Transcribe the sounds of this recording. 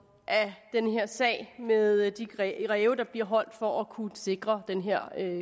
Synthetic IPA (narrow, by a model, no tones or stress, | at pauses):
ʔæd̥enɦeɐ̰sɛ̰ːɪmeðˠd̥i̥ʁʁɛːʊd̥ɑ̈b̥liɐɦɒ̽l̰d̥fɒʔækʰuse̝ɡ̥ʁɐd̥enɦeɐ̰ø